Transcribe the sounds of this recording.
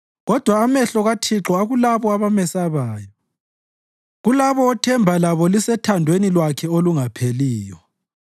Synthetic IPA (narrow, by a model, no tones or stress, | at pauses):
ɣɔd̥ʱwaːmɛɬɔɣatʰiǁɔaɣulaβɔaβamɛsaβaːjɔ | ɣulaβɔɔtʰɛmbʱalaβɔlisɛtʰandʱwenilwakʰɛoluŋapʰeliːjɔ